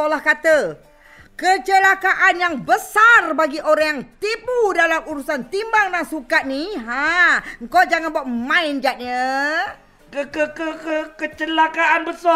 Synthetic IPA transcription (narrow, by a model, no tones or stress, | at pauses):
olahkat̪ə | kət͡ʃəlakaʔanjaŋbəsarbaɡiʔoɾaŋjaŋt̪ibudalamuɾusant̪imbaŋdaŋsukat̪̚niɦaŋ̩kod͡ʒaŋanbuaʔ̚mãɪnd͡ʒaʔ̪̚ɲə | kəkəkəkəkət͡ʃəlakaanbəsa